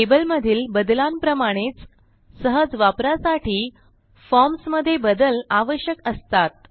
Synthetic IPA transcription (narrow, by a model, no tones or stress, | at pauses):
ʈebəlməd̪ʱiːlbəd̪lampɾəmaɽ̃et͡s | səɦəd͡zʋapɾasaʈiː | fɔɾmsməd̪ʱːjebəd̪əlaʋəɕjəkəst̪at̪̚